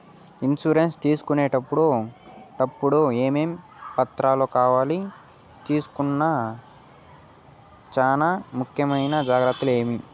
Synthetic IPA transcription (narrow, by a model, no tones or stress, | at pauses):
insuːɾenst̪iːsu̥kuneːʈɐpːuɽuʈɐpːuɽueːmeːm | pɐt̪ɾaːloːkaːʋaːli | t̪iːsu̥kunːɐ | t͡ʃaːnamukʰjɐmɐjnɐd͡ʒaːɡɾɐt̪ːule̞ːmi